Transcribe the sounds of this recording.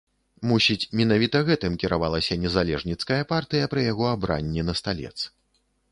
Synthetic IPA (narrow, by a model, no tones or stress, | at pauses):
musʲit͡sʲmʲɛn̪avʲit̪ɐɣɛt̪ɨmkʲɛɾavalˠɐsʲɐnʲɛzalʲɛʐnʲit̪skɐjɐpart̪ɨjɐpɾɨjaɣɔabɾa̰nʲːɛnɐst̪alʲɛ̰t̪s